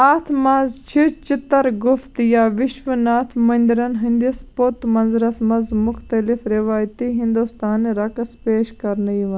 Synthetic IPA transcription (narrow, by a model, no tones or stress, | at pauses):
aːt̪ʰmɐnzt͡ʃʰit͡ʃɪt̪ːɐɾɡʊft̪jaʋɪʃʋɐnaːt̪ʰmɐnd̪ɾɐnɦind̪jɐspot̪mɐnzɾɐsmɐnzmʊxʰt̪ɐlifɾiʋaːjt̪iɦind̪ust̪aːnɾɐkɐspeːʃkɐɾnɐiʋɐ